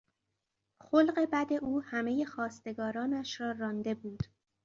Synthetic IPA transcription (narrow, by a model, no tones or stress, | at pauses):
xolɢe̞bæd̪e̞ʔuːhæme̞je̞xɒːst̪e̞ɡɒːɾɒːnæʃɾɒːɾɒːnd̪e̞buːd̪̥